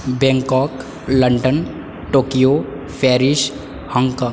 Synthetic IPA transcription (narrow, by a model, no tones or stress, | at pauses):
bɛ̃ŋkɔːk | ləɳɖən | ʈoːkijo | pʰɛːɾɪʃ | hə̃ŋkɔ̃